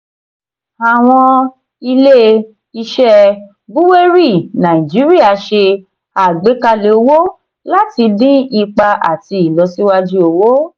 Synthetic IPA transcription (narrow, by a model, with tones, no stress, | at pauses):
a˨w̃ɔ̃˧ | i˧le˦ | i˧ʃɛ˧ | bu˦we˦ɾi˦˨nã˨ĩ˨d͡ʒi˨˦ɾi˦a˦˧˨ʃe˧ | a˦˨ɡ͡be˨˦ka˧le˨o˧wo˦ | la˦ti˧dĩ˦i˧k͡pa˧ʔa̰˨ti˧i˨lɔ˧si˦wa˦d͡ʒu˦o˧wo˦